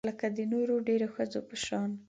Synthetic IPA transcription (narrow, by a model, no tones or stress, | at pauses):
ləkad̪ənoɾoɖeɾoxəd͡zopəʃɑn